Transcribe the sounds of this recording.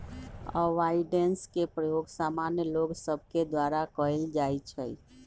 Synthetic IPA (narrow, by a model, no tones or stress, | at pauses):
ɔʋaɪɖenskepɾəjoːɡsaːmanjəloɡsəb̚ʱked̪waːɾakəild͡ʒaːjt͡ʃʰɛ